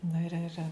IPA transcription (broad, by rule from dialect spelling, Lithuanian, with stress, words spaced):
ˈnɐ ɪr ɪr